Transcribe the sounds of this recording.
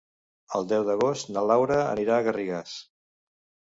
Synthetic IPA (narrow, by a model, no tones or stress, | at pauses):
əlˠd̪ɛwðəɣost̪nəlawɾəə̰niɾaːɣəriɣas